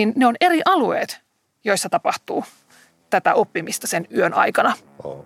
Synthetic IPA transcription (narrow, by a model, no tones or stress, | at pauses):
inneoneɾiʔɑluḛːt̪ | jo̞isːɑt̪ɑpɑht̪uː | t̪æt̪æʔopːimist̪ɑsenyønɑ̰jkɑnɑ